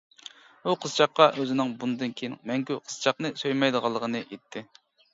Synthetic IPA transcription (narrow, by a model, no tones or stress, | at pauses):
buqʰəzt͡ʃʰɑqːɑʔøzɪnɪŋbunɨd̪ɨnkʲʰejiŋmɛŋkʲyqʰə̥z̥t͡ʃʰɑqnɨsøjmɑjd̪əʁɑlˠːəʁənɨʔet̪ʰːɪ